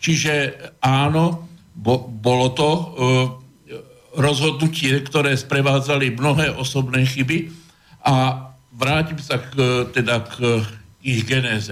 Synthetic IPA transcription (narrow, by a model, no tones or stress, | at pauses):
t͡ʃiʒɛaːnɔ | bɔbɔlɔt̪ɔ | ɾɔzɦɔd̪nucɪɛkt̪ɔɾɛːspɾɛʋaːd͡zalimnɔɦɛːʔɔsɔbnɛːxibi | ʔa | ʋɾaːcimsakt̪ɛd̪ak | iɣɡɛnɛːzɛ